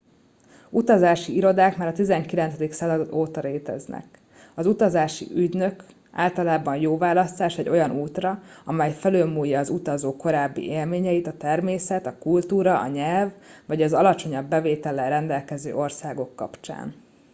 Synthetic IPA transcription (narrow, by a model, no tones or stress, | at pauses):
ut̪ɒzaːʃiiɾo̞d̪aːkmaːɾɒt̪izɛŋkilɛnt̪sɛd̪iksɛoːt̪ɒɾeːt̪ɛ̰znɛ̰k | ɒzut̪ɒzaːʃḭʔyɟnø̞k | a̰ːlt̪ɒlaːbɒɲjoːvaːlɒst̪aːʃɛɟo̞jɒnʔuːt̪rɒɒmɛjfɛløːlmuːjːɒːzut̪ɒzoːko̞ɾaːbːḭʔeːlmeːɲɛit̪ɒt̪ɛrmeːsɛt̪ɒkult̪uːɾɒʔɒ̰ɲɛlvːɒɟɒzɒlɒt͡ʃo̞ɲɒbːɛveːt̪ɛlɛɾɛnd̪ɛlkɛzø̰ːʔo̞rsaːɡo̞kːɒ̰pt͡ʃa̰ːn